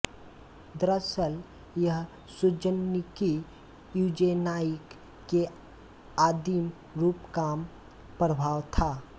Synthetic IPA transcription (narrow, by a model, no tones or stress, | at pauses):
d̪ɾəsəl | jəɦ | sʊd͡ʒənːiki | juːd͡ʒenaːjəkː | e | aːd̪im | ɾuːpkaːm | pɾəbʱaːwt̪ʰaː